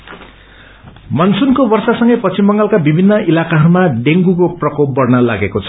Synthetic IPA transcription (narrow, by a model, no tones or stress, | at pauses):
mʌnsunkobʌrsasʌŋɡʌjpʌt͡simbʌŋɡalkabibʱinːʌʔilakaɦʌɾumaɖeŋɡukoprʌkop̚bʌrnʌla̰ɡekot͡sʰʌ̥